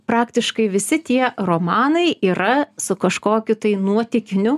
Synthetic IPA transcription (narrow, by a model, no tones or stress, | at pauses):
pɾɑːkt̪ʲɪʃkɐɪʋʲɪsʲɪt̪ʲiɛroːmɑːnɐɪʔiːɾɐsʊkɐʃkoːkʲʊt̪ɐɪnuɔt̪ʲɪkʲɪnʲʊ